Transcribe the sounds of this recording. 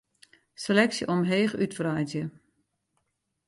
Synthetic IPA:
selɛksjəʔɔmɦeːxytfrajzjə

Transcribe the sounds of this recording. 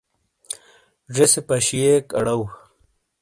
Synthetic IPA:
ʐesepɐɕijekɐɽɐw

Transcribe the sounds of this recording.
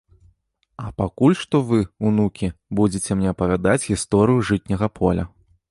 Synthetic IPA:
ɐpakulʲʂt̪ɔvɨunukʲibud͡zʲɪt͡sʲɛmnʲɛɐpɐvʲad̪at͡sʲɣʲist̪ɔɾɨjuʐɨt̪ʲnʲɐɣɐpʰɔlʲɐ̰

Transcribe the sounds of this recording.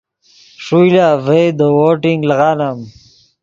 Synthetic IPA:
ʂujlaːvejd̪owoːʈiŋɡlɐɣaːnam

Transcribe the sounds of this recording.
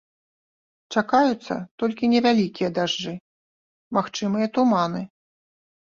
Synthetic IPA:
t͡ʂakajut̪sːɐ̰t̪ɔlʲkʲinʲɛvʲalʲikʲijɐd̪aʐd͡ʐɨ | maxt͡ʂɨmɨjɐt̪umanɨ

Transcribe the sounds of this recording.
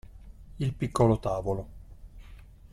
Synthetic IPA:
ilpikːolot̪aːvolo

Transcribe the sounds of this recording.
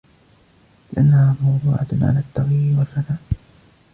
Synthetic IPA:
lɪʔanːahaːmɑwðˤuːʕat̪ʕa̰laːt̪ːɑɣiɾwalfanaːʔ

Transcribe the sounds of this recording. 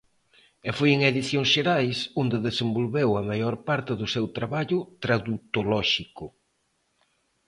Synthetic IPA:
efojeŋeðiθjoŋsʃeɾajsond̪eðesembolβewɐmajoɾpaɾt̪ɪðʊsewt̪ɾaβaʎʊt̪ɾaðut̪olɔʃikʊ

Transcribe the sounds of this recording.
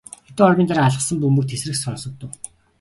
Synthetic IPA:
ɔt̪oːɔrpʲiːnt̪aɾaaɮə̆χsə̆mpumɵ̆k̚t̪ʰes̆rɘ̆ksɔnsɞ̆k̚t̪ːʊ̆w

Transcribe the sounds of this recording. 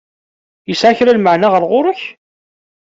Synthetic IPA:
jəsʕaçɾalməʕnaʁəɾʁʊɾəç

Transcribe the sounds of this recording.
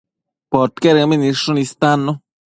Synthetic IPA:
poɾt̪keɾɡaminiʂunist̪anːu

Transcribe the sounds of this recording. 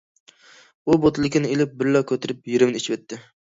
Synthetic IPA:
ubot̪ʰɨlˠɪkʲɪnɪelɪp̚bɪɾlɑkʲʰøt̪ʰɪɾɪpjiɾɪmnɪit͡ʃʰiwɛt̪ʰːɪ

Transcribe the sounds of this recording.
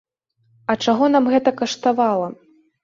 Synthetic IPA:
ɐt͡ʂaɣɔnamɣɛt̪ɐkɐʂt̪avalˠɐ

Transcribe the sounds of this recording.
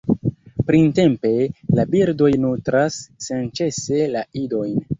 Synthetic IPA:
pɾinte̞mpe̞labiɾdo̞jnutɾasːent͡ʃe̞se̞laido̞jn

